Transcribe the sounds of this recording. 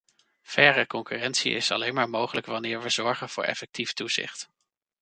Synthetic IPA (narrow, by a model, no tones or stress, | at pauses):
v̥ɛrəkɔŋkyrɛntsḭɪ̰sɑ̰lejnmaːɹmowχələkʋɑnɪːɹʋəzɔɹχənv̥ʊːɹɛ̰fɛk̚tiftuz̥ɪ̰χt